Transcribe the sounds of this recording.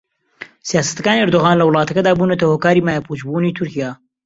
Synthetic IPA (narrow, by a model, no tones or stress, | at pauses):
sijaːsɐ̥t̪ɡaːniɐɾd̪ʊɣɑːnlɐwlˠɑːt̪ɐkɐd̪aːbunɐt̪ɐhoːkaːɾiːmaːjapʰut͡ʃbuniːt̪ʰʊɾkijaː